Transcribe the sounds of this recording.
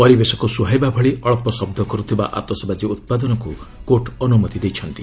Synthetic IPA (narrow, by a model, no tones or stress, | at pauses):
pɔɾibesɔkusuɦajbabʱɔɭiʔɔɭɔpɔsɔb̚d̪ʱɔkɔɾut̪ʰiba̰ʔa̰t̪ɔsɔbad͡ʒiut̪̚pad̪ɔnɔkukoʈɔnumɔt̪id̪ejt͡ʃʰʌnt̪i